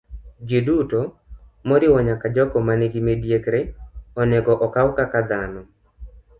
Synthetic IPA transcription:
d͡ʒiduto | mɔɾɪwɔɲakad͡ʒɔkɔmaneɡimedjekɾeɔneɡɔʔɔkawkakad̪anɔ

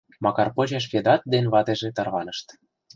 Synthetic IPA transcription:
mɑkɑrpot͡ɕeʃ̬kʲed̪ɑt̪̚d̪enβɑt̪eʒĕt̪ɑrβɑnəʃt̪

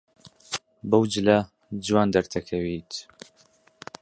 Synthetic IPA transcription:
bɐwd͡ʒɨlɐ | d͡ʒɨwaːnd̪ɐɾt̪ʰɐkʰɐwit̪

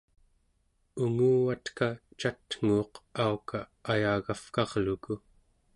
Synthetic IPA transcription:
uŋuːwat̪kat͡ʃat̪ŋ̥uːqaukaːjaːɣafkɑʁluku

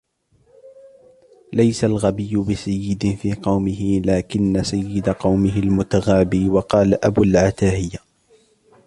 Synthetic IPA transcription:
lajsalɣabɪjːʊbɪsajːɪd̪ɪfiːqɑwmɪhɪlaːkɪnːasajːɪd̪aqɑwmɪɦɪlmʊt̪aɣaːbiːwɑqɑːlaʔabuːlʕat̪aːhɪja

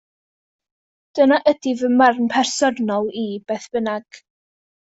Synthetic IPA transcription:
d̥ənaʔədivəmmarnpʰɛrsɔrnɔlˠib̥ɛθb̥ənaɡ̥

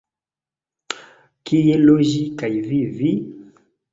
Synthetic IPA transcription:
kʰijeloʒikaivivi

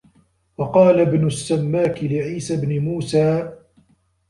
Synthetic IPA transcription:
wɑqɑːlabnʊsːamːaːkɪlɪʕiːsabnɪmuːsaː

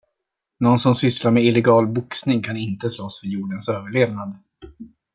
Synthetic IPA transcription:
nɔnsɔmsʏslaɾmɛɪlɛɡɑːlbʊksnɪŋkʰanɪnt̪əslɔsfœɾjuːɖənsøːvəɭeːvnad̪

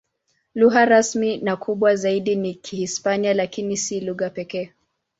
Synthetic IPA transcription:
luɣaɾasminakʰuɓwazaiɗinikʰihispanialakinisiluɣapɛkɛː

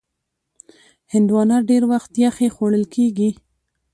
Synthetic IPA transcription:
hɪnd̪wɑnɑɖeɾwaxt̪jaxexoɽəlkʰeɡi

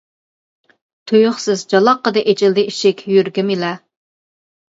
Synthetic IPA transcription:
t̪ʰujʊχsɪzd͡ʒɑlˠɑqːəd̪ɨʔed͡ʒɪld̪ɪiʃɛkʲjyɾɡʲɪmilɛ

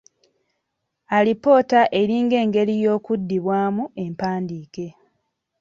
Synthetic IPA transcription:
alipo̞ːtaʔe̞ɾiːŋɡe̞ːŋɡe̞ɾijo̞ːkudːiβwaːmue̞mpaːndiːke̞

